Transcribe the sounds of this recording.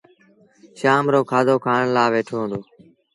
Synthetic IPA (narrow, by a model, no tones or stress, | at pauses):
ʃaːmɾoːkʰaːd̪oːkʰaːɳlaːʋeːʈʰoːɦnd̪oː